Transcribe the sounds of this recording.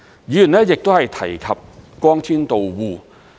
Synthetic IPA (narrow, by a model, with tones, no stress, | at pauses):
jiː˨˧˥jy˨˩nlɛ˦˥jɪ˨k̚t̪o˥whɐ˨jt̪ʰɐ˨˩jkʰɐ˨p̚kɔː˥ŋtʰiː˥nt̪o˨wwuː˧